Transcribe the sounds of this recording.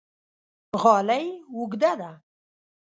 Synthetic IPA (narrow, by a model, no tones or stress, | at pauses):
ɣɑːlajwʊɡd̪ad̪a